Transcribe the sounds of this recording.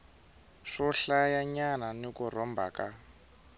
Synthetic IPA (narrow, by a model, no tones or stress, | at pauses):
ʂɔɬajaɲananikurɔmbʱa̰ka